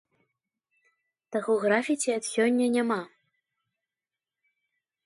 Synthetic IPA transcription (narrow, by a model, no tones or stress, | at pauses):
t̪ɐɣɔɣɾafʲit͡sʲiɐt̪sʲɔnʲːɐnʲama